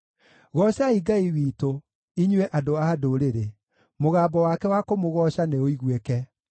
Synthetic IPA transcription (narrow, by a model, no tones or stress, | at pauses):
ɣɔɕaiɡaiwiːto | iɲwɛʔadoadoɾeɾe | moɣaːbɔwakɛwakomoɣɔɕaneoiɣwekɛ